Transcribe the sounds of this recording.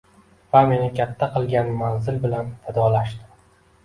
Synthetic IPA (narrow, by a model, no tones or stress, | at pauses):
vamenɪkʲʰat̪ʰːaqɨlˠɡʲanmanzɪlbɪlanfad̪ɒlaʃt̪ɪ